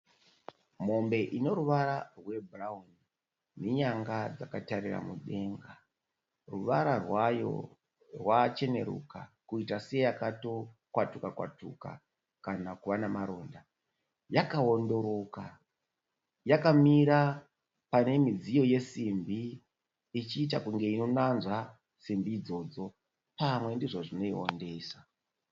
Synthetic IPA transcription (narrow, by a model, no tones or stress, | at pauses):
mo̞mbe̞ʔino̞ɾuʋaɾarwe̞burauni | ne̞ɲaŋɡad͡zakatarira̰mṵɗe̞ŋɡa | ruʋaɾarwajo̞̰ | rwat͡ʃe̞ne̞̰ɾṵkakuitasejakato̞kwatukakwa̰tuka̰ | kanakuʋanamaɾo̞ːnda | jakaondo̞ɾo̞ka | jakamiɾa | pane̞mid͡zijo̞je̞simbiː | t͡ʃiːt̬akuŋɡe̞ino̞nanzwa | simbiːd͡zo̞ːd͡zo̞ | pamwe̞ndiʐo̞ʐino̞io̰nde̞ːsa